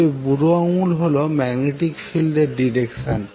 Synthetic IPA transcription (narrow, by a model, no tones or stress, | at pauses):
ebuɾoaŋulɦolomɛɡneʈikfilɖeɾɖiɾekʃan